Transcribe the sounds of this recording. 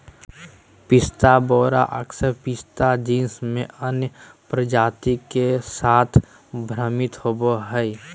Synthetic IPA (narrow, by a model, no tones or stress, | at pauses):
pɪst̪aboːɾa̰ʔəksəɾpɪst̪ad͡ʒĩnsmẽʔənjəpɾəd͡ʒaːt̪ikesaːt̪ʰ | bʱɾəmɪt̪hoboɦɛ